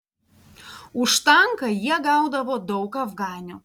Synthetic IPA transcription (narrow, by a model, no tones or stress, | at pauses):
ʊʃt̪ɐŋkɐjiɛɡɑˑʊd̪ɐʋoːd̪ɒʊkɐvɡɑːnʲuː